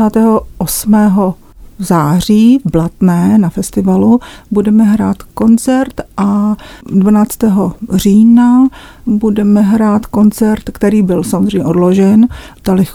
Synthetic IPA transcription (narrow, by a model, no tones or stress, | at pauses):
aːt̪ɛːɦoʔosmɛːɦo | zaːriːvblat̪nɛːnafɛst̪ɪvalubudɛmɛɦɾaːt̪ko̞nt͡sɛɾt̪ʔadvanaːt͡st̪ɛːɦor̝iːna | budɛmɛɦɾaːt̪ko̞nt͡sɛɾt̪kt̪ɛɾiːbɪlsamozr̝ejɲɛʔo̞dloʒɛnt̪alɪx